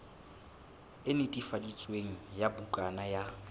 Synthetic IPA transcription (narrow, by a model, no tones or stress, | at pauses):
ɪnɪtʼifadit͡sʼweŋ̩jabukʼanaja